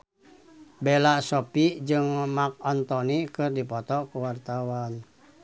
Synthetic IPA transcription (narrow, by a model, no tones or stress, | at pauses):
bɛlasopid͡ʒɨŋmak̚ɔnt̪ɔnikɨrdipɔt̪ɔkuwart̪awan